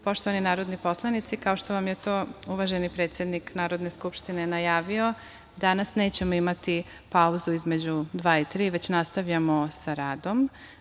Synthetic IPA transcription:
po̞ʃt̪oʋaninaːɾo̞d̪nipo̞slˠanit̪sikao̞ʃt̪o̞ʋamjet̪oːuʋaʒe̞nipɾet̪sjed̪niknaːɾo̞d̪ne̞skupʃt̪ine̞najaːʋio̞ | d̪anasne̞ːt͡ɕe̞moimat̪i | pauzuizme̞d͡ʑud̪ʋaːit̪ɾiːʋe̞t͡ɕnast̪aʋʎamosaɾaːd̪o̞m

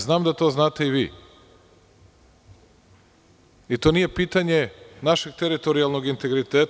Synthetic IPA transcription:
znaːmd̪at̪o̞znaːt̪e̞iʋḭː | it̪o̞ːnije̞piːt̪aɲe̞naʃe̞ɡt̪eɾit̪o̞ɾijalˠno̞ɡint̪e̞ɡɾit̪eːt̪

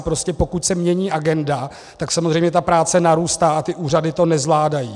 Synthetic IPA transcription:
pɾo̞scɛpo̞kucsɛmɲɛɲiːʔaɡɛnda | t̪aksamozrɛjmɲɛt̪apɾaːt͡sɛnaɾuːst̪aːat̪ɪʔuːradɪt̪o̞nɛzvlaːdajiː

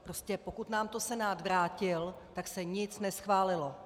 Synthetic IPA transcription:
pɾo̞scɛpo̞kut̪naːmt̪o̞sɛnaːt̪vɾaːcɪlt̪aksɛɲɪt͡snɛsxvaːlɪlo̞

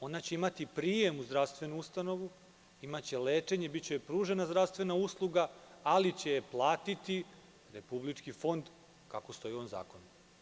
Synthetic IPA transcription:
o̞nat͡ɕeimat̪ipɾije̞muzd̪ɾaʋst̪ʋe̞nuust̪ano̞ʋu | imat͡ɕe̞le̞ːt͡ʂe̞ɲe̞bit͡ɕepɾuːʒe̞nazd̪ɾaʋst̪ʋe̞nauslˠuɡaalit͡ɕe̞jplˠaːt̪it̪i | ɾe̞publit͡ʂkifo̞nd̪ | kako̞st̪o̞jio̞ːnza̰ːko̞n

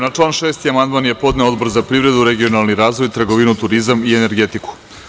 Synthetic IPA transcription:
nat͡ʂlˠaːnʃeːst̪iamand̪maːnjepo̞d̪neo̞d̪bo̞ɾzapɾiːvɾe̞d̪uɾeɡio̞nalˠniɾaːzʋo̞jt̪ɾɡoʋinut̪uɾizamiene̞ɾɡe̞t̪iku̥

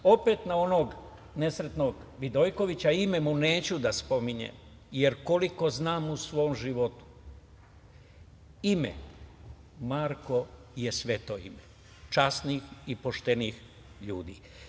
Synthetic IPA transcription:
o̞pet̪nao̞no̞ːɡ | ne̞sɾet̪no̞ɡ | ʋid̪ojko̞ʋit͡ɕaime̞mune̞ːt͡ɕud̪aspo̞miɲḛm | je̞ɾko̞liko̞znaːmusʋo̞omʒiʋo̞t̪u̥ | imḛ | maɾko̞je̞sʋe̞t̪oḭme | t͡ʃasniːxipo̞ʃt̪e̞niːx | ʎṵːd̪ḭː

